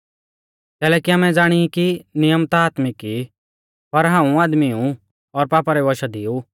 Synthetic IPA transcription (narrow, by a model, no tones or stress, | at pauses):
kɛːlɛːkiamɛ̃d͡zaːɽ̃iikinɪjəmt̪aaːt̪mɪki | pɐɾɦãːũaːd̪miũ | ɔɾpaːpaɾɛʋɔʃad̪iu